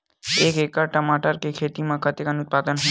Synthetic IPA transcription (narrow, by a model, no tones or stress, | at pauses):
eːkeːkəʈəmaːʈəɾkekʰeːt̪imãkʰat̪ekanʊt̪̚paːd̪ənɦõ